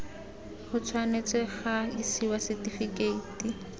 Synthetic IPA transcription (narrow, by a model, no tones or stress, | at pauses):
χʊt͡sʰwanet͡sʼɛχaisiwasɪtifikʼeiti